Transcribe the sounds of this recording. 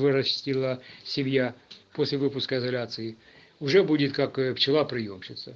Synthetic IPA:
vɨɾɐsʲtʲilˠəsʲɪmʲjapo̞sʲlʲɪvɨpʊskəɪzɐlʲat̪sɨɪ | ʊʐɛbudʲɪt̪kakft͡ɕɪlˠapɾʲɪjomɕɪt̪sə

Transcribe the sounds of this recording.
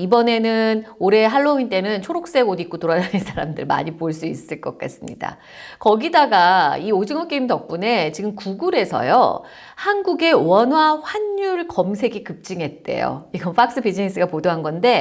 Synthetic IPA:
ibʌne̞nɯnoɾe̞ɦaɭːoint͈e̞nɯnt͡ɕʰoɾok̚s͈eodik͈otoɾad͡ʑanɯnsʰaɾamdɯɭma̰ɲipoɭs͈uis͈ɯɭk͈ʌk͈a̰s͈ɯmɲḭda̰ | kʌɡidaɡaiod͡ʑiŋʌk͈eimtʌk̚p͈une̞t͡ɕiɡɯmkuɡuɾe̞sʰʌ̰jo̰ | hanɡuɡe̞wʌnɦwaɸwaɲːuɭkʌmsʰe̞ɡikɯp̚t͡ɕ͈iŋɦe̞t̚t͈e̞̰jo̰iɡʌnpʰak̚s͈ɯbid͡ʑines͈ɯɡapodoɦanɡʌnde̞

